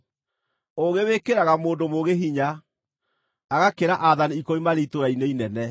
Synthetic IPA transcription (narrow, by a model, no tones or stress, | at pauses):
oɣewekeɾaɣamoːndomoɣeɦiɲa | ɣakeɾaʔaðaniikoimaɾeitoɾaineinɛnɛ